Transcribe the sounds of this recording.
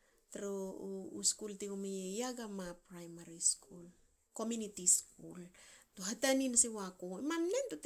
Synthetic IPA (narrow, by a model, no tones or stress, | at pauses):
taɾouskulteumejejaɡamapɾajmaɾiskul | ko̞mjunitiskultoɦataninasewako̞emamne̞ntot